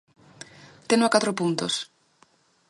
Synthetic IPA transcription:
t̪enoakat̪ɾopunt̪os

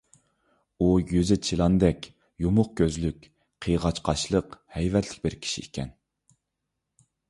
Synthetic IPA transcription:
ujyzɪt͡ʃʰilˠɑnd̪ɛkʲ | jumʊq̚kʲøzlykʲ | qʰəjʁɑt͡ʃqʰɑʃlˠəqhɛjvɛt̪ʰlɪ̥k̚ʲbɪɾkʲʰi̥ʃḭikʲʰɛ̰n

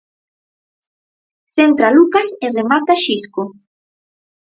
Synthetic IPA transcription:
θent̪ɾalukaseremat̪aʃiskʊ

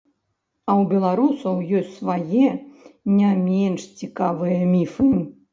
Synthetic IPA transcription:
ɐwbʲɛlˠaɾusɐwjɔsʲtʲsvajɛnʲamʲɛnʂt͡sʲikavɨjɐmʲifɨi

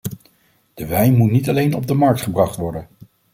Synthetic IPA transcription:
d̥əʋɛjnmutnitɑlejnɔb̚dəmɑɹk̚tχəbrɑχtʋɔɹdən

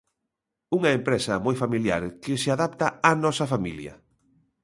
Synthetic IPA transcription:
uŋɐempɾɛsɐmɔjfamilja̰ɾkɪsɪaðap̚t̪aanɔsɐfamiljɐ̰

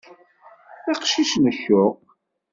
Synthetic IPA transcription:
iqʃiʃnəçːʊʁ

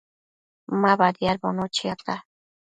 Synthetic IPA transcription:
maβad̪jaɾbonot͡ʃiat̪a

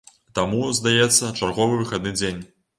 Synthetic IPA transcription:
t̪amuzd̪ajɛt̪sːɐt͡ʂarɣɔvɨvɨxad̪̚nɨd͡zʲenʲ

